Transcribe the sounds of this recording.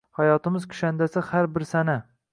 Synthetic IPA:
hajɒt̪ɪmɪzkʰʊ̥ʃand̪asɪhaɾbɪɾsana

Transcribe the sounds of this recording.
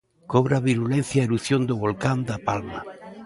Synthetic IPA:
koβɾaβiɾulẽnθjaeɾuθjond̪oβolkand̪apalma̰

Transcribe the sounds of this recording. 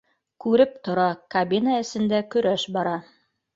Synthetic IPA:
kʉɾɘp̚t̪ŏɾɑkɐbʲinaɘ̆sɘ̆nd̪ækɵ̆ɾæʃbɑɾɑ

